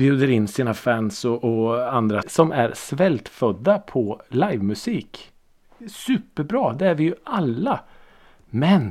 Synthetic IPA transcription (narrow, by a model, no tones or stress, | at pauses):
bjʉːd̪əɾɪnːsiːnafænsɔʔɔand̪ɾasɔmʔæ̰ɾsvɛlt̪fœd̪ːapʰɔlajvmɵsiːk | sʉ̟ːpəɾbɾɑːd̪ɛæɾvɪjɵalːa | mɛn